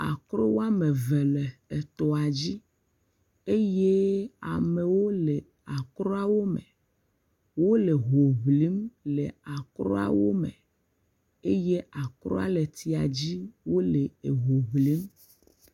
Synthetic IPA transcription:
a̰˨kɾo˦wo˦a˦me˨ve˨le˨e˨t̪ɔ˨a˨d͡ʑi˦ | e˦je˦a̰˨me˨wo˦le˨ | a˨kɾɔ˦a˦wo˦mḛ˨ | wo˦le˨ɦo˨βli˨˦mle˨a˨kɾɔ˦a̰˨wo˦mḛ˨ | e˦je˦a˨kɾɔ̰˦a̰˨le˨t̪i˨a˨d͡ʑi˦wo˦le˨e˨ɦo˨βli˨˦m

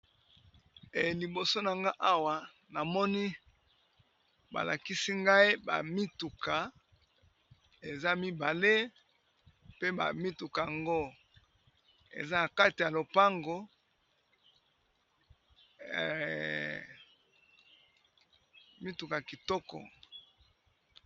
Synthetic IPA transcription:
e˨li˨bo˨so˦na˨ŋɡa˦ʔa˦wa˨ | na˨mɔ˦ni˦ | ba̰˨la̰˨ki˦si˦ŋɡa˦e˦ba̰˨mi˦tu˨ka˨ | e˨za˦mi˦ba˨le˦ | pe˦ba̰˨mi˦tu˨ka˨ja˨ŋɡo˦ | ḛ˨za˦na˨ka˦ti˨ja˨lo˨pa˦ŋɡo˨ | mi˦tu˨ka˨ki˨tɔ˦kɔ̰˨

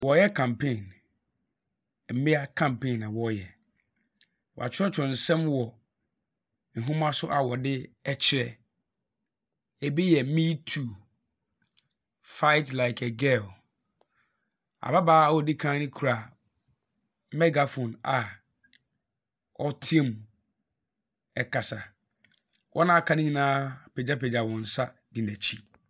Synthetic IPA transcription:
wɔ˨jɛ˦kʰã˨mpʰẽ˦˨n | m̩˨mɪ̃˦a˦kʰã˨mpʰẽ˦˨na˨wɔ˦jɛ˨ | wɔ̰˨a̰˨t͡ɕʰɪ˦ɛ˦t͡ʃʰɔ̃˨n̩˨sɛ̃˦mwɔ˨ | n̩˨ɦʊ̃˦mã˦sʊ˦ʔa˨wɔ˨dɪ˦ɛ˦t͡ɕʰɪ˨ɾɛ˦ | ɛ˨bi˦jɛ˨˦mĩ˦tʰu˨ | fa˦ɪ˦tla˨ɪ˨kʰɛ˨ɡɛ˦l | a̰˨ba˦baː˦˨wɔ˦dɪ˦kʰãː˦nɪ̃˦kʰu˨ɾa˨ | mɛ˦ɡa˨fɔ̃˨na˨ | ɔ˦tʰĩ˦˨m | ɛ˨kʰa˨sa˨ | wʔɔ˦nã˦a˨kʰã˦nɪ̃˦ɲĩ˨nãː˦pʰe˨d͡ʑa˦pʰe˨d͡ʑa˨wɔ̃˨n̩˨sa˦dĩ˨næ̃˨t͡ɕʰi˦

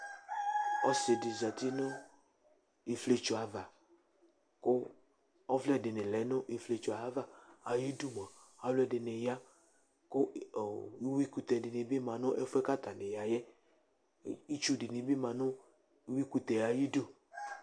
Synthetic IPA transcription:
ɔ˦sɪ˨dɪ˨za˨t̪i˦nʊ̃˦ | i˨fle˦t͡ʃu˨a˨va˨ | kʊ˦ | ɔ˦vlɛ˦dɪ˨nɪ̃˨lɛ˨˦nʊ̃˦ʔi˨fle˨t͡ʃʊ˨a˨a˦va˦a˨ji˦du˦m˨ã˨a˨lʊ˦ɛ˦dɪ˨ne˨ja˦ | kʊ˦˨˦ | wi˦ku˨t̪ɛ˨dɪ˨nɪ˨bi˦mã˨nʊ̃˦ʔɛ˦fɛ˦ka˦t̪a˨nɪ˨ja˨jɛ˦ | i˦t͡ʃu˦dɪ˨nɪ̃˨bi˦mã˨nʊ̃˦ | wi˦ku˨t̪ɛ˨ja˨ji˦du˦

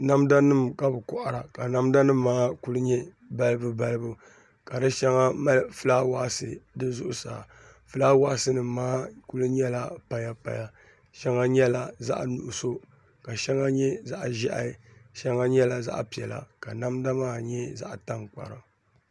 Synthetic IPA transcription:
na˦mda˦nɨ˦˨mka˦bɨ˨kʊ˦ʔa˨ɾa˨ka˨na˦mda˦nɨ˦mː˦aː˦ku˦lɨ˦ɲɛ˦ | ba˦lɨ˦bɨ˦ba˦lɨ˦bu˦ | ka˨dɨ˦ʃɛ˦ŋa˦ma˦lfɨ˦la˦wa˦sɨ˨dɨ˦zʊ˦ʔʊ˦sa̰ː˨ | fɨ˨la˦wa˦sɨ˦nɨ˨maː˦ku˦lɨ˦ɲɛ˦la˦pa˨ja˦pa̰˨ja˦ | ʃɛ˦ŋa˦ɲɛ˦la˨za̰˦ʔnu˨ʔʊ˨so˦ | ka˨ʃɛ˦ŋa˦ɲɛ˦za˦ʔʒi˦ʔa̰˨˦ʃɛ˦ŋa˦ɲɛ˦la˨za̰˦ʔpi˨ɛ˨la̰˨ka˨na˦mda˦maː˦ɲɛ˦za̰˦ʔta˦ŋk͡pa̰˨ɾa˨

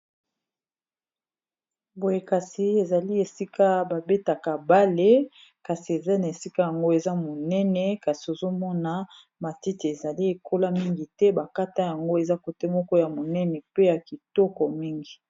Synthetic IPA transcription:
bo˨je˨ka˨si˨e˨za˨li˦e˨si˦ka˦ba˨be˦ta˨ka˨ba˦le˦ | ka˨si˨e˨za˦na˨e˨si˦ka˦ja˨ŋɡo˦e˨za˦mo˨nɛ˦nɛ˦ka˨si˨o˨zo˦mɔ˦na˨ | ma˨ti˦ti˨e˨za˨li˦e˨kʰo˦la˦mi˦ŋɡi˨tɛ˦ba˨ka˦ta˦ja˨ŋɡo˦e˨za˦ko˨tɛ˦mɔ˦kɔ˦ja˨mo˨nɛ˦nɛ˨pe˦ja˨ki˨tɔ˦kɔ˨mi˦ŋɡi˨

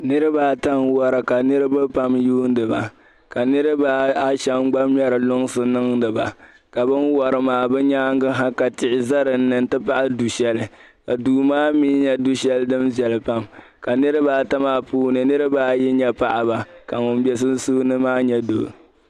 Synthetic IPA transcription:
nɨ˦ɾɨ˦baː˦ta˦ŋwɔ˦ɾɨ˨ka˨nɨ˦ɾɨ˦bɨ˦pa˦mjuː˦n˦dɨ˨ba˨ | ka˨nɨ˦ɾɨ˦ba˦a˦ʃɛ˦mɡ͡ba˦mjɛ˦ɾɨ˨lʊ˦ŋsɨ˨nɨ˦ŋdɨ˨ba˨ | ka˨bɨ˦nwɔ˨ɾɨ˨maː˨bɨ˦ɲaː˦ŋɡɨ˦ɦa˦ka˨tɪ˨ʔɪ˨za˦ɾɨ˨n̩˦nɨ˨n˦tɨ˦pa˦ʔa˦du˨ʃɛ˦lɨ˨ | ka˨duː˨maː˦miː˦ɲɛ˦du˦ʃɛ˦ldɨ˦mbjɛ˨lɨ˨pa˦m | ka˨nɨ˦ɾɨ˦baː˦˨ta˦maː˦puː˦nɨ˨nɨ˦ɾɨ˦baː˦ji˦ɲɛ˦pa˦ʔa˨ba˨ka˨ŋʊ˨n˦bjɛ˦s̬ɨ˦n̩˦suː˦nɨ˦maː˦ɲɛ˦do˨

